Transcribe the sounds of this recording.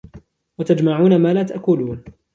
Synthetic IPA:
wat̪ad͡ʒmaʕuːnamaːlaːt̪aʔkʊluːn

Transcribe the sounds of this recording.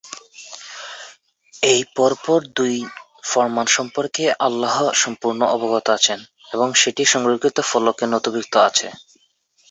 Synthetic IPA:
ejpɔɾpɔɾd̪uj | fɔɾmanʃɔmpoɾkeʔalːaɦoʃɔmpuɾnoʔɔboɡot̪oat͡ɕʰen | eβoŋʃeʈiʃɔŋɾokːit̪ofɔlokenɔt̪obik̚t̪oat͡ɕʰe

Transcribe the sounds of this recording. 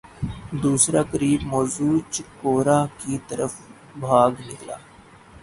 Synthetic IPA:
d̪uːsɾaːkəɾiːbmɔːzuːt͡ʃkoːɾaːkit̪əɾəf | bʱaːɡnɪkla̰ː

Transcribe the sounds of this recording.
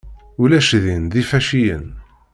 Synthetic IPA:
ʊlæʃðinðifæʃijə̰n

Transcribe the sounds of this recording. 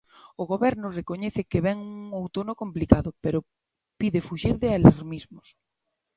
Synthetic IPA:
ʊɣoβɛɾnʊrekoɲɛθɪkeβɛŋuŋowt̪onokomplikaðʊpeɾo | piðefuʃiɾðɪalaɾmizmʊs

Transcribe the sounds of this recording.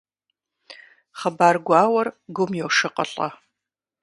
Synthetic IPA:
χɐbaːrɡʷɑːwɐrɡʷʊmjɛwʂɨqʼɐ̰ɬʼɐ̰

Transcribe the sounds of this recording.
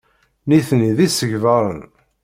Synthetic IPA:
niθniðisəʝvəɾˤə̰n

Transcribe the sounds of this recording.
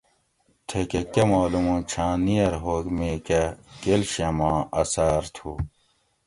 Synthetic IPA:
t̪ʰekekemaːlumũːt͡ɕʰãːnijɐɾɦoːkmeːkekelɕemãːɐsaːɾt̪ʰu

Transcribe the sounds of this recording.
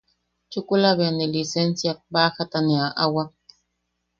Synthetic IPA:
t͡ʃukulaβenilisensjak̚baxat̪aneaʔawa

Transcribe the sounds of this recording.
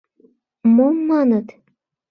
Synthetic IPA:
momːɑnət̪

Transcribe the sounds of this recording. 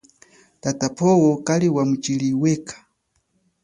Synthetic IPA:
tatapʰɔwɔkaliwamut͡ʃiliwɛkʰḁ

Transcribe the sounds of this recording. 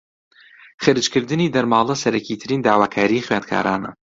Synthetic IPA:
χɨɾɨt͡ʃkɨɾd̪ɨniːd̪ɐɾmaːlˠɐsɐɾɐkʰiːt̪ʰɨɾiːnd̪aːwaːkʰaːɾiːχɥaːnd̪̚kʰa̰ːɾʔaːnɐ̰

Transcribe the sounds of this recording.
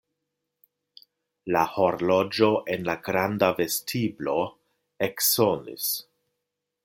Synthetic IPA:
laho̞ɾlo̞d͡ʒo̞ʔenlaɡɾandave̞stʰiblo̞ | eksonḭs

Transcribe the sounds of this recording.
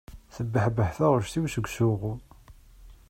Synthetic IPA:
θəbːəħbəħθæʁʊɾʃθiwʃəɡʷsuʁu

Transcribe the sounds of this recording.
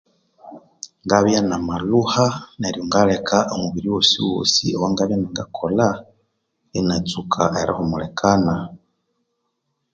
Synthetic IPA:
ŋɡaβjanamaluhaneɾijoŋɡalekʰaʔomuβiɾiwosiwo̰ːsiowaŋɡaβjanaŋɡakʰola | enat͡sukʰa̰ʔeɾa̰homulekʰana

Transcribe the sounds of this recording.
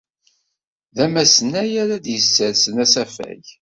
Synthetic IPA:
ðæmæsənæjæɾæd̪jəsːəɾsənæsæfæ̰ʝ

